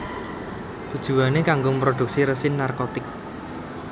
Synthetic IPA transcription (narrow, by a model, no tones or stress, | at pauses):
t̪ud̥ʒ̥ṳanekaŋɡompɾod̪̥ṳk̚siɾəsɪnːarkot̪ɪk̚